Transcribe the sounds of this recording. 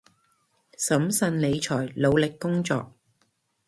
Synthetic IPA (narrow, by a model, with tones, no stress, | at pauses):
sɐ˨˥msɐ˧nle˨˧jt͡ʃʰɔː˨˩jlo˨˧wlɪ˨kːʊ˥ŋt͡sɔ̰ː˨k̚